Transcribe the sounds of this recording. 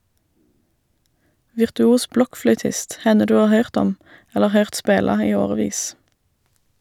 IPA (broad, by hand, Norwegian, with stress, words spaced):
ʋɪʁtʉˈuːs ˈblɔkˌflœʏtɪst ˈhɛnə ˈdʉː ˈɑːʁ ˈhœʏʁt ˈɔm ˈɛləʁ ˈhœʏʁt ˈspeːlɑ ˈiː ˈoːʁəˌʋiːs